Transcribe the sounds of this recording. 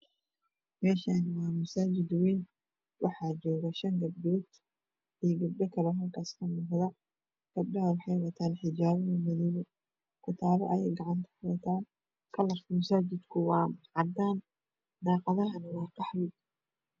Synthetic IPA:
mɛːʃaːnwɑːmɐsaːd͡ʒɪd̪wɛːn | wʔɑħɑːd͡ʒɔːɣɐʃɐŋɡɐbdɔːt̪ | iːɡɐb̚ɖɐkʰɐɾɛɦɐlkʰaːskʰɐnʊːqðɐ | ɡ̥ɐb̚ɖɐɐwɑħɑjwɐt̪ʰaːnħɪd͡ʒaːβɐnɐmɪðiɣʊ | kʰʊt̪ʰaːlɔʔɐjɛjɡɑʕɑnt̪ʰɐ̥kʊɾɐt̪ʰaːn | kʰɐlɐfmɐsaːd͡ʒɪd̪kʰʊwɑːʕɑd̪aːn | d̪ɑːqɑðɐɦɐnɐwɑːkʰɑħlɪɡ

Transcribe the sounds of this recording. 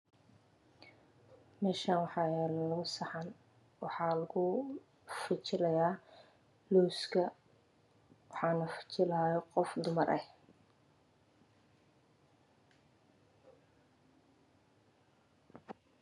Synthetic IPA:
mɛːʃaːnwɑħɑːjɛːllɐɣʊsɑħɑn | wɑħɑːlɐɣʊ | fɪt͡ʃɪlɐjaː | luːskʰɐ | wɑħɑːnɐfɪ̥t͡ʃɪlaːjɔqɔfd̪ʊmɐrʔɛh

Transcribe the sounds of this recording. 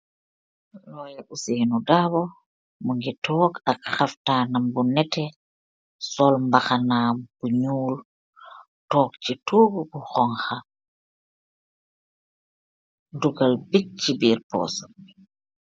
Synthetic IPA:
lɔːjaʔusinudabɔ | muŋɡitʰɔːɡakxaftaːnambunɛtɛ | sɔlmbaxanaːb̥uɲuːl | tɔːk̚t͡ʃituːɡbuxɔŋxa | duɡalbit͡ʃːibiːɾpɔ̰ːsɔ

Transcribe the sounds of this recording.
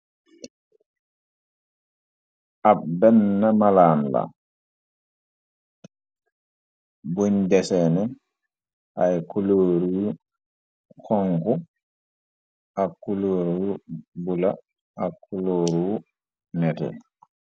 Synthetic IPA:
ʔabɛnːamalaːnla̰ | buɲdɛsɛnɛ | ʔajkuloːɾuu | kʰɔŋɡu | ʔakuloːɾubula | ʔakʰuloːɾuw | nɛtɛ̰

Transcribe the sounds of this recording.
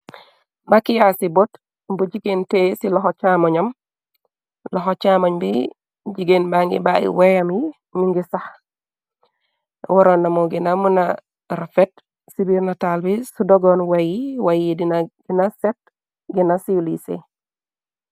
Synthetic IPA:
bakijasibot | bud͡ʒiɡentesilɔxot͡ʃamoɲam | lɔɦot͡ʃamoɲbi | d͡ʒiɡenbaŋɡḭbaḭwejamji | miŋɡisah | wɔɾonːamoɡinamuna | ɾafet | sibiɾnatalbisudoɡɔnwajiwajidinaɡ̥inaset̚ | ɡinasilisḛ

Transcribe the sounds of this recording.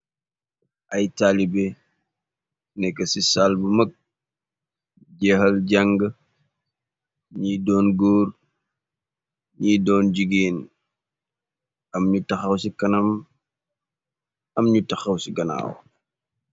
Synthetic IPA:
ʔɐjtaːlibɛ | nɛkːɐsisalbumək̚ | ɟɛhɐlɟaŋɡə | ɲiːdɔːnɡoːr | ɲiːdɔːnɟiɡeːn | ɐmɲutɐxɐwsikɐnɐm | ɐmɲutɐxɐwsiɡɐna̰ːw̰

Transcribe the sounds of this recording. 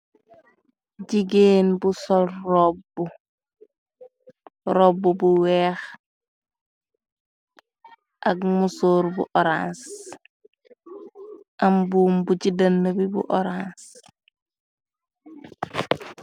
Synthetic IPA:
ɟiɡeːnbusolɾobu | ɾobːubuwɛːx | ʔaɡmusoːɾbṵʔoɾãns | ambuːmbuɟidanːebibṵʔoɾans

